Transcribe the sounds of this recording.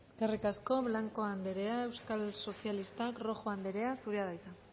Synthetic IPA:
eskerikasko̞βlaŋko̞and̪e̞ɾe̞ae̞wskalso̞sijalist̪akro̞xo̞and̪e̞ɾe̞asuɾeaðajt̪a

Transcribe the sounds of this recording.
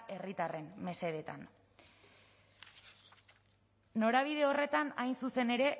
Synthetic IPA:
ʔe̞rit̪are̞mme̞se̞ðe̞t̪a̰n | no̞ɾaβ̞ið̞e̞o̞re̞t̪anajnsuse̞ne̞ɾe̞

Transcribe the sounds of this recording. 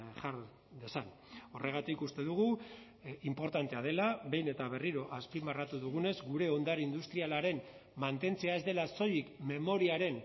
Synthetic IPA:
ʝaɾ | ðesan | o̞rʔe̞ɣ̞at̪ikust̪e̞ðuɣ̞u | impo̞ɾt̪ant̪e̞að̞e̞laβe̞jne̞t̪aβe̞riɾo̞ʔaspimarat̪uðuɣ̞une̞zɡuɾe̞o̞nd̪aɾind̪ust̪ɾialaɾe̞m | mant̪e̞nt͡se̞aezd̪e̞laso̞jikme̞mo̞ɾiaɾe̞n

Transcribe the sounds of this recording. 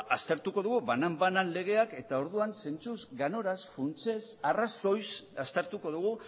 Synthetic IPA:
ast̪e̞ɾt̪uko̞ðuɣuβanambananle̞ɣ̞e̞ake̞t̪ao̞ɾðuanse̞nt͡suzɡano̞ɾasfunt͡se̞saraso̞jsast̪eɾt̪uko̞ðuɣ̞u

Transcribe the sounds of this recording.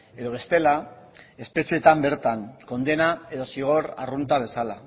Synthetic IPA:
e̞ðo̞β̞e̞st̪e̞lae̞spe̞sie̞t̪ambe̞ɾt̪aŋko̞nd̪e̞naeðo̞siɣ̞o̞ɾa̰runt̪aβe̞sala

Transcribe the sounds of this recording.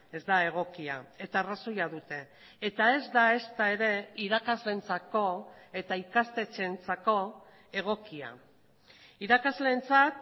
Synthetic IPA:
e̞zd̪ae̞ɣ̞o̞kia̰e̞t̪aːraso̞jaðut̪e̞ː | t̪ae̞zd̪ae̞st̪ae̞ɾe̞iɾakazle̞nt͡sako̞e̞t̪aikast̪e̞t͡se̞nt͡sako̞ | e̞ɣ̞o̞kia̰ | iɾakazle̞nt͡sat̪

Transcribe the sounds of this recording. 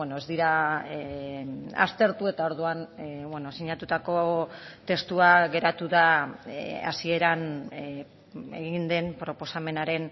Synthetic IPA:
eno̞ezd̪iɾa | a̰st̪e̞ɾt̪ue̞t̪ao̞ɾðuanβwe̞no̞siɲat̪ut̪ako̞t̪e̞st̪uaɣe̞ɾat̪uða | a̰sie̞ɾan | e̞̰ɣind̪e̞mpɾo̞po̞same̞naɾe̞n

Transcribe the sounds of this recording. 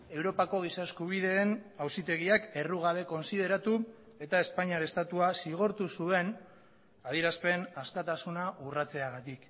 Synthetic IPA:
e̞wɾo̞pako̞ɣ̞isaeskuβ̞iðe̞nawsit̪e̞ɣ̞iake̞ruɣ̞aβe̞ko̞nsið̞e̞ɾat̪u | e̞t̪ae̞spaɲaɾe̞st̪at̪uasiɣ̞o̞ɾt̪usue̞n | að̞iɾaspe̞naskat̪asunaʔurat͡se̞aɣat̪ik

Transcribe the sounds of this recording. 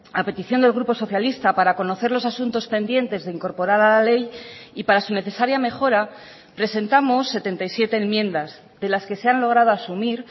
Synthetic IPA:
ape̞t̪iθjo̞nd̪e̞lɣɾupo̞so̞θjalist̪apaɾako̞no̞θe̞ɾlo̞sasunt̪o̞spe̞nd̪je̞nt̪e̞zðeiŋko̞ɾpo̞ɾaɾalale̞jipaɾasune̞θe̞saɾjame̞xo̞ɾa | pɾe̞se̞nt̪amo̞sːe̞t̪e̞nt̪ajsje̞t̪e̞ːmmjẽ̞nd̪az | ðe̞laske̞se̞anlo̞ɣ̞ɾað̞o̞asumiɾ

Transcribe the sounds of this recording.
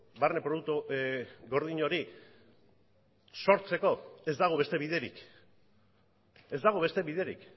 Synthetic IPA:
barne̞pɾoðuk̚t̪uɣo̞ɾð̞iɲo̞ɾi | so̞ɾt͡se̞ko̞e̞zd̪aɣ̞oβe̞st̪e̞βiðe̞ɾḭk | e̞zd̪aɣ̞o̞βe̞st̪e̞βiðe̞ɾḭk

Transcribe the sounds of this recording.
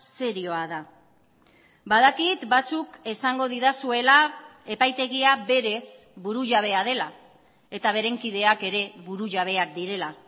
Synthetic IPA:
se̞ɾio̞aða | bað̞akit̪bat͡sukesaŋɡo̞ð̞iðasue̞lae̞pajt̪e̞ɣiabe̞ɾe̞sbuɾuʝaβ̞e̞að̞e̞la | e̞t̪aβ̞e̞ɾe̞ŋkið̞e̞ake̞ɾe̞βuɾuʝaβ̞e̞ak̚d̪iɾe̞la

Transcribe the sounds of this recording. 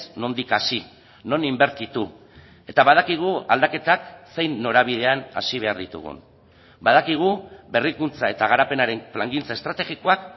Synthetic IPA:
sno̞nd̪ikasi | no̞nimbe̞ɾt̪it̪u | e̞t̪aβað̞akiɣ̞ua̰ld̪ake̞t̪akse̞jnːo̞ɾaβ̞iðe̞ana̰siβ̞e̞aɾðit̪ṵɣṵn | bað̞akiɣ̞ube̞rikunt͡sae̞t̪aɣ̞aɾape̞naɾe̞nflaŋɡint͡sae̞st̪ɾat̪eɣiko̞ak

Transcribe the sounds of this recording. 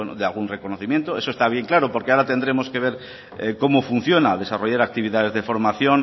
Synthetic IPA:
enoðealɣunrekonoθimje̞nt̪oesoest̪aβ̞je̞ŋklaɾopoɾkeaɾat̪end̪ɾemoske̞β̞e̞ɾ | eko̞mofun̟θjonaðe̞saroʝaɾak̚t̪iβiðað̞e̞zðefo̞ɾmaθjon

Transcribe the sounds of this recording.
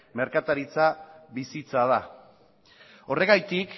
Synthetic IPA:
me̞ɾkat̪aɾit͡saβisit͡sað̞a | o̞re̞ɣajt̪ik

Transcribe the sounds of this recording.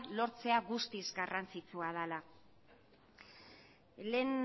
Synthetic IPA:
lo̞ɾt͡se̞aɣust̪izɡarant͡sit͡suaðala | le̞n

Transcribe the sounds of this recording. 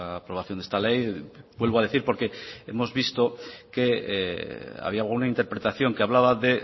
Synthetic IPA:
pɾo̞βaθjond̪est̪ale̞jbwe̞lβoaðe̞θiɾpo̞ɾke̞e̞mo̞zβist̪o̞ke̞ | a̰βiaɣunaint̪e̞ɾpɾe̞t̪aθjo̞ŋkeaβlaβaðe̞

